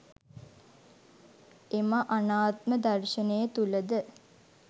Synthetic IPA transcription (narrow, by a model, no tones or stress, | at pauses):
emaʔanaːt̪̚məd̪ɐrʃənəjət̪uləd̪ə